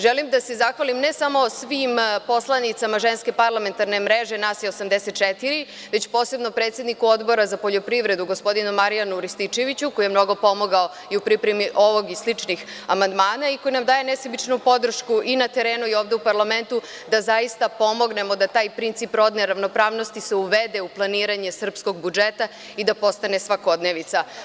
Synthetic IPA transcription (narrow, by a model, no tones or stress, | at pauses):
ʒelimd̪ase̞zaxʋalimne̞samosʋimpo̞slˠanit̪samaʒenske̞paɾlˠame̞nt̪aɾne̞mɾeʒe̞nasjeosamd̪eset̪̚t͡ʃet̪iɾi | ʋe̞t͡ɕpo̞ːse̞bnopɾe̞ːt̪sjed̪nikuo̞d̪bo̞ɾazapoʎo̞pɾiʋɾe̞d̪uɡo̞spo̞d̪inumaɾijanuɾist̪it͡ʃe̞ʋit͡ɕukojijemno̞ɡo̞po̞mo̞ɡao | iupɾipɾemiʔo̞ʋo̞ɡislit͡ʃnixamand̪maːnaikojinamd̪aːje̞nesebit͡ʃnupo̞d̪r̩ʃkuʔinat̪eɾe̞ːnuio̞ːʋd̪e̞upaɾlˠame̞nt̪u | d̪azaist̪apo̞mo̞ɡne̞mo̞d̪at̪aːjpɾint̪sipɾo̞d̪neɾaʋno̞pɾaːʋno̞st̪iseuʋed̪e̞uplˠaniːɾaɲe̞sr̩psko̞ɡbud͡ʒet̪a | id̪apo̞st̪ane̞sʋako̞d̪neʋit̪sa